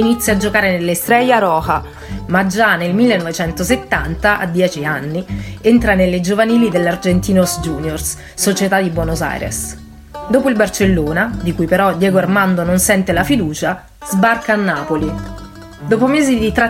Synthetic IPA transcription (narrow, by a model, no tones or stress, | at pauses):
init̪sːjad͡ʒokaːɾenelːest̪ɾɛjaɾɔːxa | mad͡ʒːanelmilːenːɔvet͡ʃɛnt̪oset̪ːant̪aʔa̰d̪jɛːt͡ʃianːient̪ɾanelːed͡ʒovaniːlid̪elːard͡ʒent̪iːnosd͡ʒuːnjors | sot͡ʃet̪ad̪ibwonoza̰jɾḛs | d̪oːpoilbart͡ʃelːoːnad̪ikujpeɾɔd̪jɛːɡoarmand̪ononsɛnt̪elafid̪uːt͡ʃa | z̥barkaːnːaːpoli | d̪oːpomeːzid̪it̪ɾa